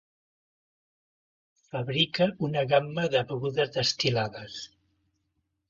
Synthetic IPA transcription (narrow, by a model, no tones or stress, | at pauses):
fəβɾikəunəɣamːəðəβɣuðəzðəst̪ilaðəs